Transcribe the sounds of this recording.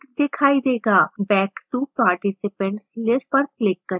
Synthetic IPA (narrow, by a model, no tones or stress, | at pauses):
d̪ekʰaid̪eɡabɛkʈupaɾʈisipə̃ɳʈslespəɾklɪkːəɾ